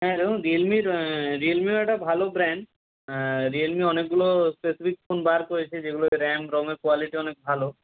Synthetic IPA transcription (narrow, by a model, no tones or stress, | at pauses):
ɦɛɾoɾielmiɾielmioɛk̚ʈabʱalobɾɛɳɖ | ɾielmiɔnek̚ɡulospesipʰik̚pʰonbaɾkoɹet͡ɕʰed͡ʑeɡuloɾɛmɾɔmekwaliʈiɔnek̚bʱalo